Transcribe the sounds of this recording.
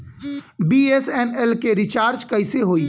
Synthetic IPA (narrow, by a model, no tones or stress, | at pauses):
biesɛnɛlkeɾɪt͡ʃaːɾd͡ʒkɐɪseɦoːi